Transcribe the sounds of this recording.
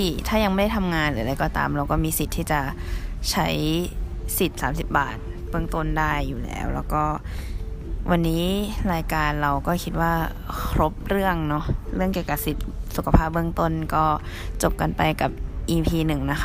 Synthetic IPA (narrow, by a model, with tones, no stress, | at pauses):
i˧˩t̪ʰaː˥˩ja˧ŋm˥˩da˥˩jt̪ʰa˧mŋaː˧nlaː˩˦da˧jkɔː˨˩t̪a̰ː˧mɾa˧wkɔː˥˩miː˧si˨˩t̪̚ʰːiː˥˩t͡ɕa˨˩t͡ɕʰa˦˥j | si˨˩t̪̚saː˩˦msi˨˩p̚ba̰ː˨˩t̪̚b̥ɯ˥˩əŋt̪o˥˩˨ndaː˥˩jːuː˨˩lɛ̰ː˦˥wlɛ̰ː˧˥˩wkɔː˥˩ | wʔa˧nːiː˦˥ɾaː˧jkaː˧nɾa˧wkɔː˥˩kʰi˦˥t̪̚waː˥˩ | kkʰɾo˦˥p̚ɾɯ˥˩əŋnɔ˦˥ɾɯ˥˩əŋki˨˩əwka˧˩p̚si˨˩t̪̚su˨˩kʰa˧pʰaː˥˩p̚bɯ˥˩˨ŋt̪o˥˩nkɔː˥˩ | t͡ɕo˨˩p̚ka˧npa˧jka˨˩p̚ʔiː˧pʰiː˧nɯ˨˩ŋna˦˥xʰa˦˧